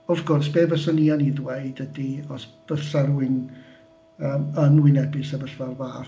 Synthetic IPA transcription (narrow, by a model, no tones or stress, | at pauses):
ɔvɡʊrsb̥eːvəsənianiðweɨdədiɔsb̥əɬəɾwɪŋ | əːmənwɪnɛbɨsabəɬvarvaː